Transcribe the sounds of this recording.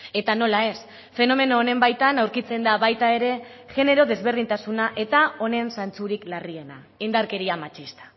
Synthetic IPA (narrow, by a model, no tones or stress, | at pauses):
e̞t̪ano̞lae̞s | fe̞no̞me̞no̞ːne̞mbajt̪anawɾkit͡se̞nd̪aβajt̪ae̞ɾe̞ʝe̞ne̞ɾo̞ðe̞zβe̞rðint̪asunaʔe̞t̪ao̞ne̞nsant͡suɾiklarie̞na | ind̪aɾke̞ɾiamat͡ʃist̪ḁ